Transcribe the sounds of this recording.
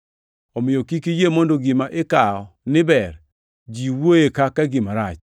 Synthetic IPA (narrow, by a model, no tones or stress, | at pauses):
ɔmɪjɔkikijemɔndoɡɪmaʔekaɔnɪbɛr | d͡ʒiwoekakaɡɪmaɾat͡ʃ